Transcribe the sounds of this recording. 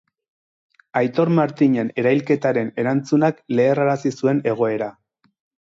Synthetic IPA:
ajt̪o̞ɾmaɾt̪iɲe̞ne̞ɾajlke̞t̪aɾe̞ne̞ɾant͡sunakle̞ːraɾasisue̞ne̞ɣ̞o̞e̞ɾa

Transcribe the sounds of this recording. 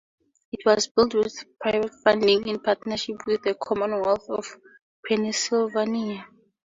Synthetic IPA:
itʰwɔzbiltwiθpʰɹajvɛtfãndĩŋĩnpʰatnaʃipʰwiðəkʰɔmɔ̃nwɛlθɔv | pʰɛnisilvania

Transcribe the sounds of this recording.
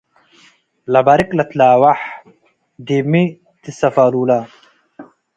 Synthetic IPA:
lɐbɐɾiklɐt̪laːwaħ | d̪imi | t̪isɐfaːluːla

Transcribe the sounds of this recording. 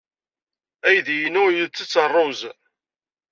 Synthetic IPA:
æjðjənʊjət͡sːət͡sːərˤːoz

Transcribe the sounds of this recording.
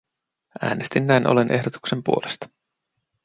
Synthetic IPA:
ʔæ̰ːnest̪inːæjnʔo̰le̞nʔe̞ɦdot̪u̥ksempuo̞lest̪ɑ̥

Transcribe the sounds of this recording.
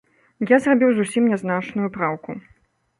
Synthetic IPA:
jazrabʲiwzusʲimnʲɛznat͡ʂnujupɾawku

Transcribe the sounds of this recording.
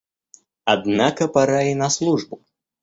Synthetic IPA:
ad̪nakɐpaɾajinɐslˠuʐbu

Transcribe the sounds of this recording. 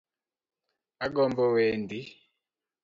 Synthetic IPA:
aɡɔmbɔwɛndi

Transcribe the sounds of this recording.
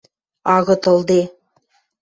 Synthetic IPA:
ɑɣɤ̆t̪ɤ̆lˠd̪e

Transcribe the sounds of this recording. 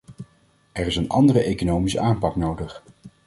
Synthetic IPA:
ɛɹɪsənɑ̰ndərəʔejkonowmisə̰ʔaːmpɑknowdəχ

